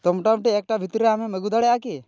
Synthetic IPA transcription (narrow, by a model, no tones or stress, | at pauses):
t̪omʈamʈeek̚ʈabʱit̪ɾeameməɡud̪aɽɛjaki